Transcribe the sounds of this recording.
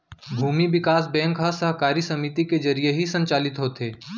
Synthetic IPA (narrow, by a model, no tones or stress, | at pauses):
bʱuːmibɪkaːs̬bɛ̃ːŋkɦɐsəɦkaːɾisɐmit̪iked͡ʒɐɾijeɦisɐ̃ɲt͡ʃaːlɪt̪ɦoːt̪eː